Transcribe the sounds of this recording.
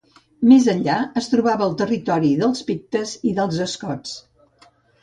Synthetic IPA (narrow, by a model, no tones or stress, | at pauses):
mezənʎaəst̪ɾuβaβəːlˠt̪ərit̪ɔɾiðəlˠspik̚t̪əziðəlˠzəskɔt͡s